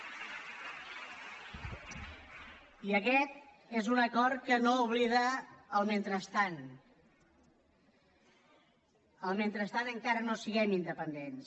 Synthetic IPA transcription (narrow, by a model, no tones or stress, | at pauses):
iəkɛt̪ | ezunəkɔɾkənouβ̞liðəːlˠment̪ɾəst̪an | əlˠment̪ɾəst̪anəŋkaɾənosiɣɛmind̪əpənd̪ens